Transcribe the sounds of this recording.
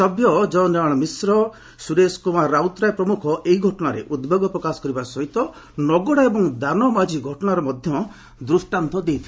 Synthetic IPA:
ɔbjɔd͡ʒɔwnaɽ̃ɔmisɾɔ | suɾeskumaɾawt̪ɾajpɾɔmukʰɔʔeɦiɡʱɔʈɔɽ̃aɾḛʔud̪beɡɔpɾɔkasɔ̥kɔɾibasɔɦit̪ɔ | nɔɡɔɽaebɔŋd̪anɔmad͡ʒiɡʱɔʈɔɽ̃aɾɔmɔd̪ʱjɔ | d̪ɾusʈant̪ɔd̪ejt̪ʰi

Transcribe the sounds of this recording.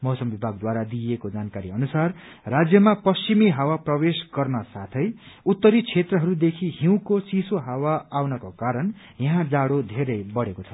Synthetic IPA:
mʌɦsʌmbibʱaɡ̚d̪waɾad̪ijekod͡zankaɾiʌnusarrad͡zjʌmapʌst͡ʃimiɦawaprʌwesɡʌrnʌsat̪ʰʌj | ut̪ːʌɾit͡sʰet̪rʌɦʌɾud̪ekʰiɦiw̃kosisoɦawaːwnʌkokaɾʌn | jaɦãd͡zaɽod̪ʱeɾʌjbʌɽekot͡sʰʌ̥

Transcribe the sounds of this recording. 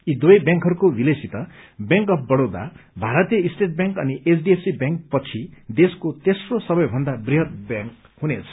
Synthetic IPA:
id̪uʌjbjãŋkɦʌɾukobilesit̪ʌbjãŋkʌp̚ʰbʌɽod̪a̰bʱaɾʌt̪ijʌisʈeʈ̚bjãŋkʌniʔet͡sʰɖiepsibjaŋk̚pʌt͡sʰid̪eskot̪esrosʌbʌjbʱʌnd̪abriɦʌt̪̚bjãŋk | ɦunet͡sʰʌ̥

